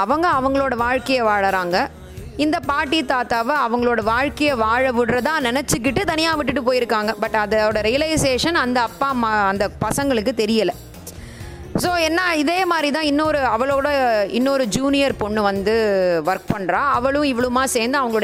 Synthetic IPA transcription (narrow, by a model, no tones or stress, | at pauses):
ɐʋɐŋɡɐɐʋɐŋɡɐɭoːɽɐʋaːɻkɐjɐʋaːɭɐɾaːŋɡɐ | ɪnd̪ɐpaːɾʈːit̪aːt̪aːʋɐɐʋɐŋɡɐɭoːɽɐʋaːɻkɐjɐʋaːɻɐʋɯɽɾɐt̪ãːnɛnɛt͡ʃːɯk̬ːɪʈːɯt̪ɐnɪjaːʋɪʈːɯʈːɯpoːjɪɾɯkːaːŋɡɐbɐʈːɐðɐoːɽɐɾɪjɐlɐɪseːʂɐnɐnd̪ɐɐpːaːmɐɐnd̪ɐpɐsɐŋɡɐɭɯkːɯt̪ɛɾɪjɐlɐ | soːɛnːaːɪðeːmaːd̪ɾit̪ãːɪnːoːɾɯɐʋɐɭoːɽɐɪnːoɾɯd͡ʒuːnɪjɐɾpɔɳːɯʋɐnd̪ɯʋɐɾk̚pɐɳɾaːɐʋɐɭʊ̃ɪʋɐɭɯmaːseːnd̪ɯɐʋɐŋɡɐɭoːɽɐ